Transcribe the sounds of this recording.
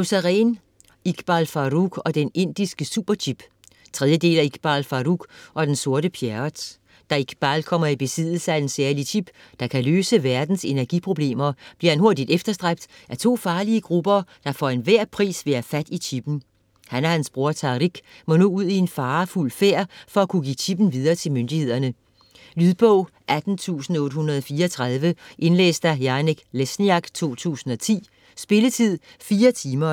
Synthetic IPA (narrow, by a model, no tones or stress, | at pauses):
osæʁɛːn | iɡ̥b̥ɑlfɑ̈ʁuɡ̥ɒ̽d̥ene̝n̰d̥isɡ̥əsṵb̥ɐt͡ɕʰib̥ | t͡sʰʁɛðˠjəd̥e̝̰ːlæiɡ̥b̥ɑlfɑ̈ʁuɡ̥ɒ̽d̥enso̝ɐɾəpʰjæd̥ | d̥ɑiɡ̥b̥ɑlkʰɒ̽m̰ɐib̥e̝sið̰ˠl̩səæd̥ensæɐlit͡sʰib̥d̥ɑ̈kʰæløːsəʋæɐd̥n̩se̝næɐɡ̥ḭpʰʁo̝b̥le̝̰ːmɐb̥liɐhænɦo̝ɐ̰d̥id̥efd̥ɐsd̥ʁab̥̚d̥ʔæɐt͡sʰo̝̰ːfɑ̈ːliəɡ̥ʁub̥ɐd̥ɑ̈fɒe̝nʋæɐ̰pʰʁḭːsʋe̝æfæd̥iɕʰib̥n̩ | hænæɐhænsb̥ʁuːɐt͡sʰɑ̈ʁiɡ̥ | mɔ̽no̝̰uð̞̰ˠie̝nfɑ̈ːfulfeɐ̰fɒ̽ækʰuɡ̥ḭːt͡ɕʰib̥n̩ʋið̞ˠɐːt͡sʰe̝lmønd̥ihe̝ð̞̰ˠɐnə | lyðˠb̥ɔʊ̰ | ʔæd̥n̩t͡sʰṵːsn̩ɔ̽ːd̥hunɐðˠɒfiːɐɒt͡sʰʁɑð̞ˠʋəʔe̝nlḛːsd̥ɑjɑ̈neɡ̥lesniɑ̈ɡ̥t͡sʰo̝̰ːt͡sʰṵːsn̩ɒ̽t͡sʰḭː | sb̥e̝lət͡sʰið̰ˠ | fiːɐt͡sʰiːmɐ